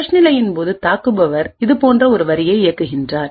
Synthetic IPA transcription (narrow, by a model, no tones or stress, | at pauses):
ɐʂnɪlɐjɪnpoːðɯt̪aːkɯbɐʋɐɾɪðɯpoːndrɐɔɾɯʋɐɾɪjɐɪɪjɐkːɯɣɪndraːɾ